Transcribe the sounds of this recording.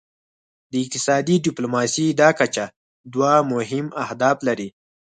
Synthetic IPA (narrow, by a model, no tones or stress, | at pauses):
d̪əɪq̚t̪ɪ̥sɑd̪iɖɪplumɑsid̪ɑkat͡ʃa | d̪wamʊɦɪmahd̪ɑflaɾi